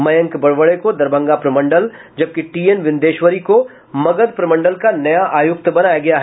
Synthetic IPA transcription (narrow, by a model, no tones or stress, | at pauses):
mɐjə̃ŋkbɐɽʋəɽekod̪ɐɾbə̃ŋɡapɾɐmɐ̃ɳɖəl | d͡ʒɐb̚kiʈiːenʋɪ̃nd̪eːʃʋəɾiko | mɐɡəd̪pɾɐmə̃ɳɖəlkanɐjaʔaːjʊk̚t̪bɐnaːjaɡɐjaɦ